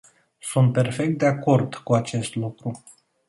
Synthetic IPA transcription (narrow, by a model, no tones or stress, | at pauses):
sunt̪̚pe̞rfe̞k̚t̪̚d̪e̞ako̞rd̪̥kuat͡ʃe̞st̪lukɾu